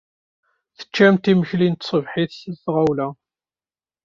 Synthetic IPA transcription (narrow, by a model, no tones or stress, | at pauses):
θə̥t͡ʃːæmt̪iməçlint̪sˤəvħiθsəlsʁawlæ